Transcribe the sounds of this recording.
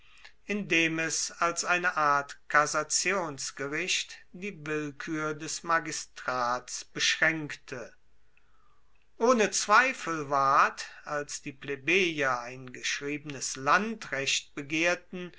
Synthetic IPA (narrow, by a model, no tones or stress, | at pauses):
ʔɪndeːmɛsalsʔaɪnəʔaɐtkʰazat͡sjoːnsɡ̥əʁɪɕtd̥iːvɪlkʰyːɐdɛsmaɡɪstʁ̥aːtsb̥əʃʁ̥ɛŋktʰə | ʔoːnət͡sv̥aɪfl̩vaɐtalsd̥iːplebeːjɐaɪnɡəʃʁ̥iːbənəslantʁɛɕt̚b̥əɡeːɐtn̩